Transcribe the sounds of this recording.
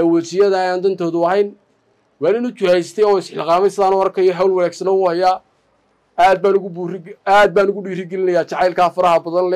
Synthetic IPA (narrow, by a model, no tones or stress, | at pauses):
ɛwɛt͡ʃɪjɐðɐjaːnd̪ɐnt̪ʰɔːðʊɐɦɛjn | wɑːnɪnʊt͡ʃʊhɛjst̪ʰɛjɔːɪsħɪlqɑːmɛjsɪðaːnʊɐrkʰɐjɔɦawlwɑnɛːɡsɐnɔwʊːhɐjaː | aːd̪̚baːnʊɣraːd̪̚baːnʊɣʊɖiːrɪɡɛlɪnɐjaːt͡ʃɑʕɑjlkʰaːfɐɾɐhɐbɐðɐnlɛ